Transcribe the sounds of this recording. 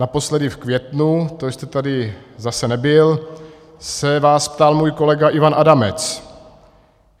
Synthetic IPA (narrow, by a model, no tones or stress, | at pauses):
napo̞slɛdɪfkvjɛt̪nut̪ost̪ɛt̪adɪzasɛnɛbɪl | sɛvaːspt̪almuːjko̞lɛɡaʔɪvanʔadamɛt͡s